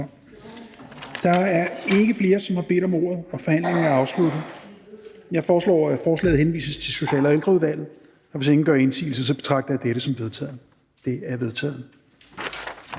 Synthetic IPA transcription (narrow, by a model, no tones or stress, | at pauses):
d̥ɑ̈æɐe̝ɡ̥əfle̝ːɐsɒ̽mhɑ̈b̥e̝̰ːd̥ɒ̽mo̝ːɐ̰ð̞̩ˠɒ̽fɒ̽hæn̰le̝ŋn̩æɑ̈ʊslud̥ð̩ˠ | jɑ̈ɪfɒːslɒ̰ːæfɒːslɛ̰ːð̩ˠhenʋḭːsəst͡sʰe̝so̝ɕɛ̰ːlɒeld̥ʁɐuð̞ˠʋæl̰ð̩ˠ | ɒʋe̝se̝ŋn̩ɡ̥ɶɐe̝nsḭːl̩sɐsɒ̽b̥e̝̥t͡sʰʁɑ̈ɡ̥̚d̥ɐjɑ̈d̥eɾ̥əsɒ̽mʋe̝ð̞ˠt͡sʰɛ̰ːð̩ˠ | d̥e̝æɐʋe̝ðˠt͡sʰɛ̰ːð̩ˠ